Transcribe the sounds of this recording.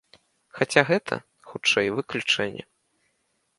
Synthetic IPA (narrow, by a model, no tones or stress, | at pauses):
xat͡sʲaɣɛt̪ʰɐ̰ | xut͡ʂɛjvɨklʲut͡ʂɛnʲːɛ̰